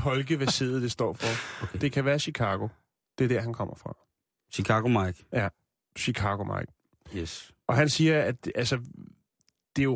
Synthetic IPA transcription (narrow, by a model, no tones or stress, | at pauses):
pʰɒ̽lɡ̥əʋæse̝̰ːð̩ˠd̥esd̥ɒ̰ːfɒ̽d̥e̝kʰæʋæːɐɕikʰɑ̈ːɡ̥o̝ | d̥e̝ɐdæɐɦænkʰɒ̽m̰ɐfʁɑ̈ | ɕikʰɑ̈ɡ̥omɑɪɡ̥jæ | ɕikʰɑ̈ɡ̥o̝mɑ̈ɪɡ̥̚ | s | ɒ̽ɦænsiːɐæd̥ʔælsə | d̥e̝jo̝